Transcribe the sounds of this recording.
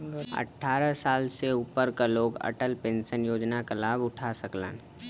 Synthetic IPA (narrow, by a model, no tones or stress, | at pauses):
ə̰ʈʰːaːɾəsaːlseupəɾkaloːɡə̰ʈəlpẽːnʃənjoːd͡ʒnakəlaːbʊʈʰasəklə̰ːn